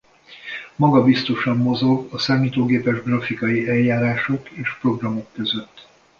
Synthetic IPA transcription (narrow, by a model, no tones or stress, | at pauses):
mɒɡɒbist̪o̞ʃɒmːo̞zo̞ɡɒsaːmiːt̪oːɡeːpɛʒɡrɒfikɒjiʔɛjjaːɾaːʃo̞keːʃpro̞ɡrɒmo̞kːø̞zøt̪ː